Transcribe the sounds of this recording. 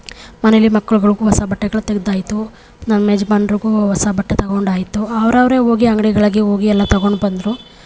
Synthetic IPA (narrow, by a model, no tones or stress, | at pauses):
mɐnelːimɐkːɐɭuɡɐɭuɡuʋɐsabɐʈːɐɡɐɭut̪eɡed̪aːjit̪ːu | nɐnɐmed͡ʒbaːnɾiɡuʋɐsɐbɐʈːet̪ɐɡo̞ɳɖaːjit̪ːuɐʋɐɾɐʋɐɾeo̞ːɡiɐŋɡɐɽiɡɐɭɐɡeo̞ːɡiɛlːɐt̪ɐɡo̞ɳɖbɐnd̪ɾu